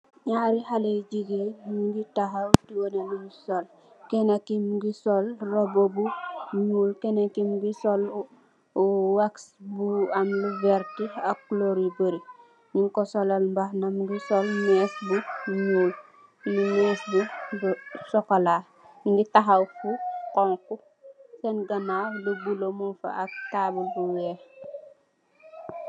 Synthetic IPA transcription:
ɲaɾihaled͡ʒiɡemɡitaɦawtiwoneniɡisol | kenakimɡisolrobobuɲulkenakimɡisol | uwaksbuamluveɾtiakuloɾibəɾi | niŋkɔsɔlɐlmbahnɐmɡisɔlmɛːsbuɲuːl | nimɛːsbu | sɔkala | ŋɡitaɦawfukɔŋku | sɛnɡɐnabəɡulomufa̰ak̚taːbəlbuwɛ

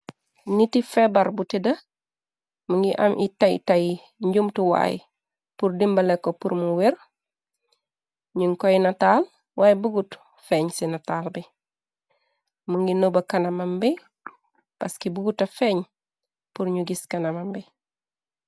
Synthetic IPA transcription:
nitifebaɾbutidɐ | muŋɡiʔa̰mʔitaj̰taj | ɲɟumtuwa̰ːj̰ | puɾdimbɐlekːopuɾmuwiɾ | ɲuŋkojinataːl | wʔaːjbuɡut | feːɲsinataːlbi | muŋɡinobɐkɐnɐmɐmbi | paskibuɡutɐfeːɲ | puɾɲuɡiskɐnɐmambi

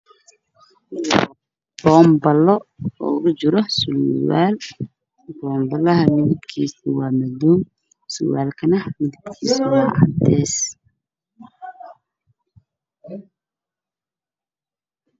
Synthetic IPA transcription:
b̥ɔːmbɐlɔɔ̰ːɣʊd͡ʒɪɾɔsʊlwaːl | bɔːmbɐlɐɦɐmɪðɪbkʰiːsɪwɑːmɐduːn | sʊ̰waːlkʰɐnɐmɪðɪbkʰḭːsɪwɑːʕɑd̪ɛːs

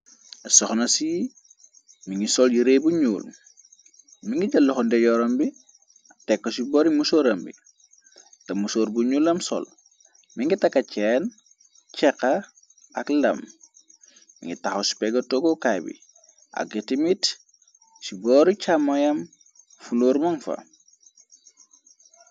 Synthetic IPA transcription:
ɐsɔxnɐsi | miŋɡisɔljiɾebuɲuːl | miŋɡiɟɐlːuxɔndɛɟɔɾɐmbi | ɐtɛkːosibɔːɾimusoːɾɐmbḭ | tɐmusoːɾbuɲuːlɐmsɔ̰l | miŋɡitɐkːɐcɛːn | t͡ʃɛkɐ | ɐklɐ̰m | mḭŋɡitaxosi̥peɡotoɡokajbḭ | ʔa̰k̚ːitimit | sibɔːɾit͡ʃamojɐm | fuloːɾmɐŋfɐ̰

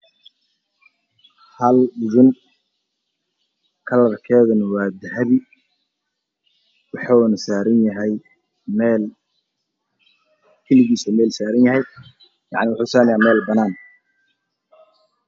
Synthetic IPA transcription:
hɐlɪðʊn | kʰɐlɐrkʰɛːðʊnwɑːd̪ɐɦɐβɪ | wɑħɑnɐsaːɾɐnjɐɦɛj | mɛːl | kʰɛlɪɣiːsɐmɛːlsaːɾɐnjɐɦɛj | jɑ̰ʕnɪwʊħuːsaːnjaːmɛːlbɐnaːn

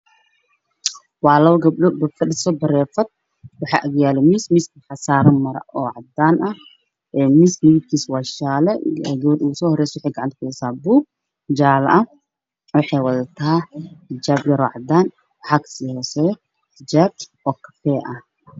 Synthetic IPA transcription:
waːlɐwɐɡɐblɔbɐkʰɐɗɪsɔbɐɾɛːfɐd̪̚ | wɑħa̰ːʔɐɣjaːlɪmismɪsħasaːɾɐmɐɾɐ̰ʔɔːʕɑd̪ːaːnɐ | ʔɛːmɪsnɪɡɪd̪̚kʰiːswaʃaːlɛɛdɔːd̪uːsɔːhɔɾɛːswʊħɛjɡɐʕant̪kʊdɛsaːbuːɡ̚ | d͡ʒaːlɐʔɐ | wʊħɛjwɐðɐt̪ʰɐatɪd͡ʒaːbjɐɾɔːʕad̪aːn | wħakʰɐ̥siːhɔːsɛj | t̪ʰɪd͡ʒaːb̚ʔɔːkʰɐ̥fɛːʔɐ

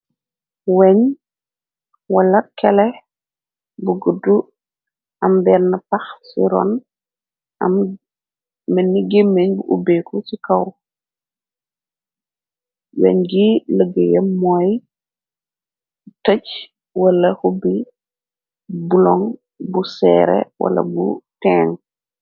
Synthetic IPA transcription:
wɛɲ | wɐlɐkɛlɛ | buɡədu | ʔɐmbɛnɐpaxsiɾɔ̰n | ɐ̰m | mənːiɡemeɲbuʔubeːkʰusikɐw | jɛ̰ɲɡiləɡəjɛmoj | təc | wɐlɐhubi | bulɔŋ | busɛːɾḛwɐ̰lɐ̰bṵtɛːŋ

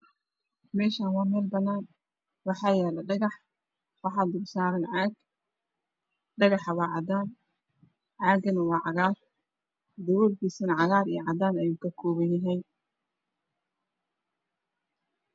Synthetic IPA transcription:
mɛːʃaːnwɑːmɛːlbɐnaːn | wɑħɑːjɛːlɛɖɑɣɑħ | wɑħɑd̪ʊbsaːɾɐnʕɑːɡ | ɖɐɣɑħɐwɑːʕɑd̪aːn | ʕɑːɡɐnɐwɑːʕɑɣaːr | d̪ɐwɔːlkʰiːsɐnɐʕɑɣaːɾijʕɑd̪aːnɐjuːkʰɐkʰɔːβɐjɐɦɛj

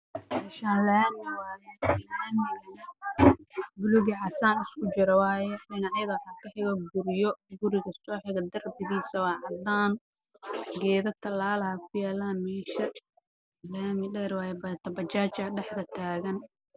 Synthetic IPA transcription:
mɛːʃaːnlɐjamɪwaːjɛɪlamɪɐ | bʊlʊɣiʕɑsaːnɪskʊt͡ʃɪɾɐwɑːjɛɖɪnɑʕjɐðɐwɑħɑːkʰɐħɪɣɐɡʊɾjɔɡʊɾɪɣɐsɔːħɪɣɐd̪ɐrbɪðiːsɐwɑːʕɑd̪aːn | ɡɛːðɐt̪ʰɐlaːlɐhɐkʰʊjaːlaːnmɛːʃɐ | lɐamɪɖɛːɾwɑːjɛbɐt̪ʰɐbɐt͡ʃaːt͡ʃɐɖɛħðɐt̪ʰaːɣɐn

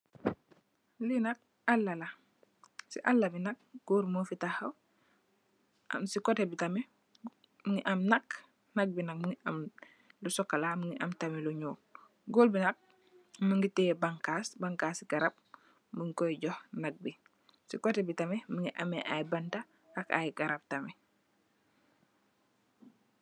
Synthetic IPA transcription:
linɐk̚ | alːala | sḭʔalːɐbinɐk̚ɡ̥oːɾmofitahɐw | ʔa̰msikɔtɛbitamɛ | məŋiʔɐmnɐk | nɐk̚binɐk̚muŋiʔɐm | lusɔkːalaməŋɡiʔɐmtamɛluɲuːl | ɡoːlbinɐk̚ | məŋɡitɛbaŋkaːsbaŋkaːsiɡaɾap̚ | məŋkɔjɟɔhnɐk̚bi | sikɔtebitɐmɛməŋɡiʔɐ̰mɛʔajbɐnta | aka̰jɡaɾap̚tɐmɛ

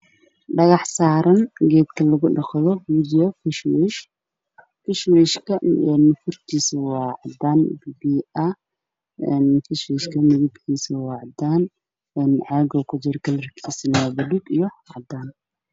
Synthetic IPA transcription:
ɖɐɣɑħsaːɾɐnɡɛːd̪kʰɐlɐɣʊɗɑχðɔwʊdɪjɐfɪʃwɛʃ | fɪʃwɛʃkʰɐɛnːfʊrt̪ʰiːsɐwɑːʕɑd̪aːnbibiːɐ | ɛnfɪʃwɛʃkʰɐnɪɣʊbhiːsɐwɑːʕɑd̪aːn | ɛnʕɑːɡɔkʰʊd͡ʒɪɾɔkʰɐlrɐkʰiːsɐnwaːbɐd̪uɡijɔʕɑ̰d̪aːn

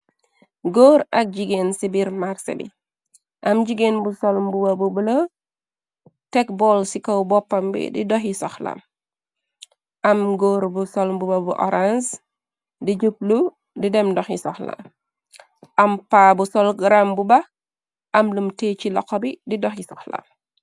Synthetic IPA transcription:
ɡoːɾʔɐk̚ɟiɡensibiɾmaɾsɐ̰bḭ | ʔɐmd͡ʒiɡenbusɔlmbubabubələ | tɛk̚bɔlsikowbɔpːɐmbḭdḭdɔxisɔxla̰m | ʔɐmɡoːɾbusɔlmbubɐbuʔɔ̰ɾans | did͡ʒup̚lu | didɛmdɔxisɔxla̰ | ʔɐmpaːbusɔlɡɾambubɐ | ʔɐmlumtet͡ʃilɔkɔbididɔxisɔxla̰

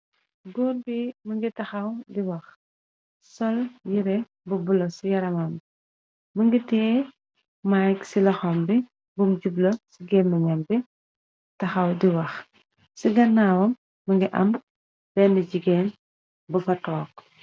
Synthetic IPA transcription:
ɡɔːnbimɐŋɡitɐxɐwdiwɐx | sɔljiɾɛ | bubulɐsijɐɾɐmɐm | məŋɡitɛː | majksilɐxɔmbi | bumɟublosiɡɛmːɐɲɐmbi | tɐxɐwdiwɐx | siɡɐnːaːwɐmː | ɐŋɡiʔɐ̰m | b̥ɛnɐɟiɡɛn | bufɐtɔːk̚

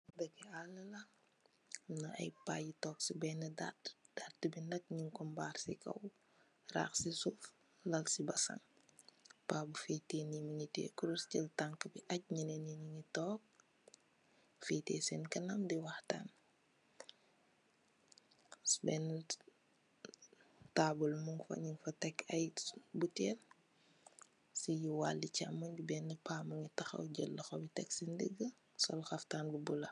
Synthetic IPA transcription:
dɐkːɛalɐlɐ | nɐɐ̰jpaːjitɔːksibɛnɐdad̥adibinɐk̚ɲiŋkɔmbaːrsḭkɐ̰w | ra̰ːxsisuf | lɐlsibɐsɐ̰ŋ | paːbufetenimiɲitɛ̰ːkuɾuscəltaŋkəbiʔɐc̚ɲinɛniniɲitɔːk̚ | fiːtɛ̰ːsɛnkɐnɐmdiwɐxta̰ːn | sbɛn | taːbulmuŋfɐ̰ɲiŋfɐtɛkːɐjbutɛːl | sijiwaːlːicamɐɲɟubɛnːipaːmɐŋitɐxɐ̰wɟəlːɐxɔbitɛksindəɡːə | sɔ̰lxɐftaːnbubulɐ

